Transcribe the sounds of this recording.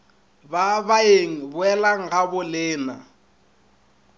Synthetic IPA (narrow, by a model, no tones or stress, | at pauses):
baβaeŋ̩bʊɛlaŋ̩ɣabʊlɪːna̰